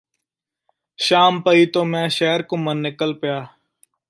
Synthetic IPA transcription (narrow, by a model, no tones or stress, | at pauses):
ʃaːmpəiːt̪oːmɛ̃ːʃeːəɾkũːmənːɪkəlpɪjaː